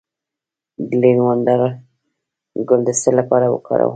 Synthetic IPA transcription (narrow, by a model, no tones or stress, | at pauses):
d̪linwand̪aɾ | ɡʊld̪əst̪əlːapɑɾawə̰kɑ̰ɾa̰w